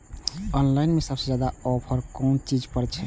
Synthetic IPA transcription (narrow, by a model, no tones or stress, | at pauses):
ɔnlajnmesɔbsed͡ʒad̪aɔbʰʱɔɾkɔnt͡ʃid͡ʒpɔɾt͡ʃʰɛ